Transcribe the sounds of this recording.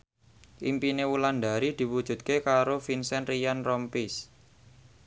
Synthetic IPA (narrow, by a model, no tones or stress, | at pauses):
ʔḭmpinewuland̪a̤ɾid̪̥i̤wud̥ʒ̥ṳt̪̚kekaɾofinsɛnrijanrɔmpɪs